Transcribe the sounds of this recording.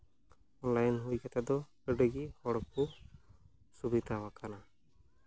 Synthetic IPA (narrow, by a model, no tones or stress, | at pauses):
ɔnlajnɦujkat̪ʰad̪ɔkəɖeɡihɔɽɔku | subid̪aɦwakana